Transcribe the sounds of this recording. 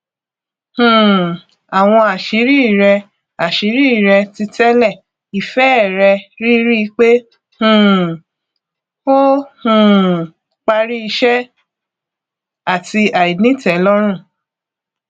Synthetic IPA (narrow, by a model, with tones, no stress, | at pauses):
hũ˨ | a˨w̃ɔ̃˧a˨ʃi˨˦ɾi˦i˦˨ɾɛ˧ | a˨ʃi˨˦ɾi˦i˦˨ɾɛ˧ti˧tɛ˦lɛ˦˨ | i˨fɛ˦˨ɾɛ˧ɾi˦ɾi˦i˧k͡pe˦ | hũ˨ | o˦hũ˦˨ | k͡pa˧ɾi˦i˧ʃɛ˦ | a˦˨ti˧a˨i˨nĩ˦tɛ˨˦lɔ˦ɾ̃ũ˦˨